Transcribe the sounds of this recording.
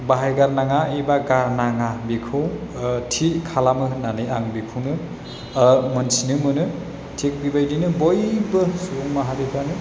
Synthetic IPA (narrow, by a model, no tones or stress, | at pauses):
baɦajɡaɾnaŋaibaɡaɾnaŋabikʰɯwtʰikʰalamɯɯnanɯjaŋbikʰɯwnɯ | mɯnsinɯmɯnɯ | tʰek̚bibajdinɯbojbɯsuuŋmaɦadipʰanɯ